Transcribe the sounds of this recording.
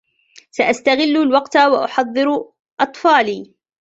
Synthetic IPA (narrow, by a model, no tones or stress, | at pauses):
saʔast̪aɣɪlːʊlwɑqt̪awaʔʊħɑðˤːɨɾʊ | ʔɑt̪ˤfɑːliː